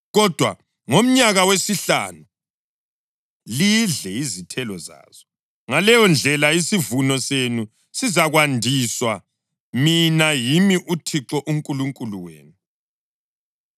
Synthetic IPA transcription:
ɣɔd̥ʱwa̰ | ŋom̩ɲaɣawesiɬa̰nu | liɮɛizitʰɛlɔza̰ːz̥ɔ | ŋalɛjɔnd͡ɮʱɛlaisivunɔsenu | sizaɣwandʱiswa | minajimiʔutʰiǁɔʔuŋkʼuluŋkʼuluwḛːnu

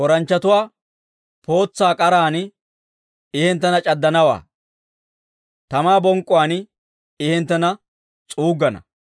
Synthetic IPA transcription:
ɔɾɐnt͡ʃːɐt̪ʊwaː | po̞ːt͡sːaːkʼɐɾaːn | ɪhɛnt̪̬ːɐnɐt͡ʃʼɐd̪ːɐnɐwa̰ː | t̪ɐmaːbɔŋkʼːʊwaːn | ɪhɛnt̪ːɐnɐ | t͡sʼuːɡːɐnɐ̰

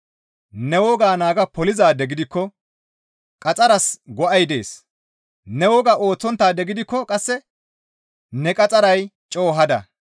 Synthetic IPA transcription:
nɛwɔɡaːnaːɡɐpɔlɪzaːd̪ɛɡɪd̪ɪkːɔ | kʼɐt͡sʼɐɾɐsɡɔʔɐjd̪e̞̰ːs | nɛwɔːɡaːʔo̞ːt͡sːɔnt̪ːaːd̪ɛɡɪd̪ɪkːɔkʼɐsːɛ | nɛkʼɐt͡sʼɐɾɐjt͡ʃʼo̞ːɦɐd̪ɐ̰

